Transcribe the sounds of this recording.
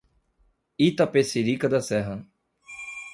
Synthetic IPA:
it̪ɐpesiɾikɐd̪ɐsɛɦɐ

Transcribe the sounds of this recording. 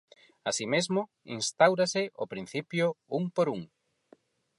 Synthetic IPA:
asimezmʊ | ḭnst̪awɾasɪʔo̰pɾin̟θipjʊuŋpoɾuŋ

